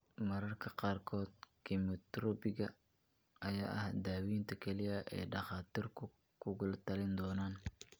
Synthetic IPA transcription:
mɐɾɐrkʰɐqɑːrkʰɔːd̪̚kʰɪmɪt̪ɾɔbɪɣɐ | ʔɐjaːʔɐhd̪aːwiːnt̪ʰɐkʰɛlɪjɐʔɛ̰jɖɑχɑːt̪ʰiːrkʰʊ | kʰʊɣʊlt̪ʰɐlɪnd̪ɔːnaːn

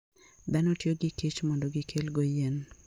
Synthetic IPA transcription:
d̪anotjoɡɪkit͡ʃmɔndoɡɪkʰelɡojen

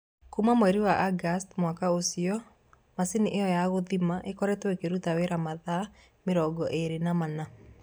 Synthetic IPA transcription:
kumamoɛɾiwaʔaɡastmwakaosiɔ | masiniʔeɔjaɣoðimaʔekɔɾɛtwekeɾutaweɾamaða | meɾɔɡɔʔeɾenamana

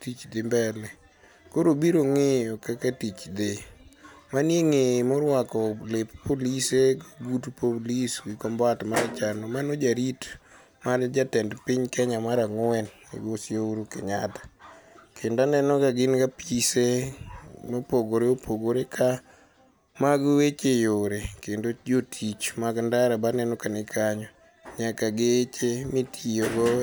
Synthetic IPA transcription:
tit͡ʃd̪ɪmbɛnɛ | koɾobiɾoŋeɔkakatit͡ʃd̪e | manjeŋemoɾwakɔlɪppoliseɡaɡutpoliswɪkɔmbatmaɾat͡ʃanɔmanod͡ʒaɾit | mard͡ʒatɛndpɪɲkɛɲamaɾaŋʊɛn | ḭɡosjauɾukɪɲatḁkʰendanɛnɔkaɡɪnɡapise | nopoɡoɾeopʰoɡoɾekʰa | maɡwet͡ʃejoɾekendod͡ʒotʰit͡ʃmaɡndaɾabanɛnɔkanɪkʰaɲɔ | ɲakaɡet͡ʃemitʰijoɡɔ

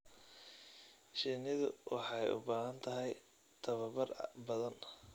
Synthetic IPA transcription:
ʃinɪðʊ̰wʔɑ̰ħɑjʊ̰baːɦɐnt̪ʰɐɦɛj | t̪ʰɐβɐbɐrbɐðɐn

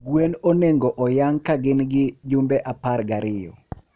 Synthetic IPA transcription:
ɡwenoneŋɡoʔɔjaŋkaɡɪnɡɪd͡ʒʊmbɛʔaparɡaɾɪjɔ̰

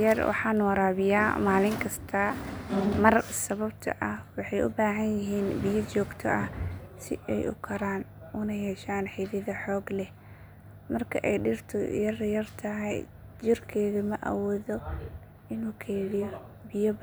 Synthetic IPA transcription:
jɐrwɑ̰ħɑːnwɐɾaːβɪjaːmaːlɪŋkʰɐst̪ʰɐ | mɐrsɐβɐb̚t̪ʰɐ̰ʔɐhwɑħɑjʊ̰baːɦɐnjɪɦiːnbɪjɐt͡ʃɔːɡt̪ʰɔʔɐhsɪ̰ʔɛ̰jʔʊ̰kʰɐɾaːn | ʊnɐjɛːʃaːnħɪðɪðɐħɔːɡlɛ | mɐrkʰɐ̰ʔɛjɖɪrt̪ʰɔ̰jɐrjɐrt̪ʰɐɦɛj | t͡ʃɪrkʰɛːɣɐmɐʔɐ̰wɔːðɔ | ɪnuːkʰɛːɾɪjɔ | bɪjɔb

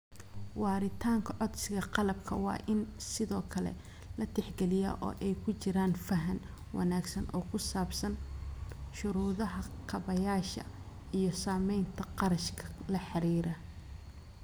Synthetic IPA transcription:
wɑːɾɪt̪ʰaːŋkʰɐʕɔd̪sɪɣɐqɑlɐb̚kʰɐwɑ̰ːʔɪnsɪðɔːkʰɐlɛ̰ | lɐt̪ʰɛħɡɛlɪjɐ̰ʔɔ̰ːʔɛjkʰʊt͡ʃɪɾaːnfɐɦɐn | wʔɑ̰naːɡsɐnʔɔ̰ːkʰʊsaːbsɐn | ʃʊɾuːðɐɦɐqʰɑβɐjaːʃɐ̰ | ijɞsaːmɛjnt̪ʰɐqɑɾɐʃkʰɐ̥lɐħɑɾiːɾɐ

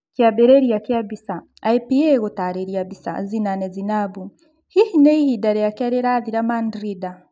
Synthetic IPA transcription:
kjabeɾeɾiakjabisa | aipieɣotaɾeɾiabisa̰zinanezinabu | hihineihidaɾejakaɾeɾaðiɾamandɾida

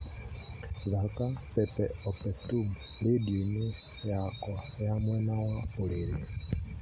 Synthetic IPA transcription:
zakapepeopetubulidini | jakwajamwenawaoliɾi

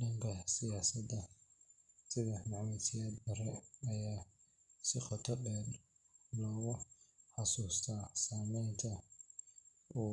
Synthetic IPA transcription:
dɐŋkʰɐsasɐdɐ | sɪðɐħnɑʕmɛsɪjaːd̪bɐrɛɐjaː | sɪqɔt̪ʰɔbɛːd̪ | lɔːɣʊħɑsuːst̪ʰaːsaːmɛjnt̪ʰɐ | uː

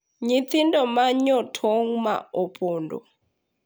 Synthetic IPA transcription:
ɲit̪ʰindɔmaɲɔtʰɔŋma̰ɔpʼɔːndɔ̰

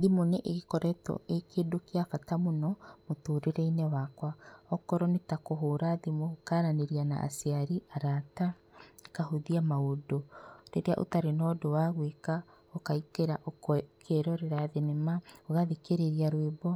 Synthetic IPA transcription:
ðimoneʔeɣekɔɾɛtɔ̰ʔekedokeafatamonɔmotoːɾeɾɛinewakwaɔkɔɾɔnetakoɦoːɾaðimookaːɾaneɾiana̰a̰siaɾiaɾata | ekaɦoðiamaodoɾeɾea̰ʔo̰taɾenɔdowaɣweka | okaikeɾaʔokkʰeɾɔɾeɾaðenemaoɣaðikeɾeɾiaɾwebɔ

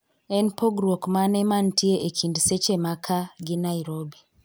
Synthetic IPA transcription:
ɛnpoɡɾokmanemantʰieʔekʰindiset͡ʃemakʰaɡinaiɾobi

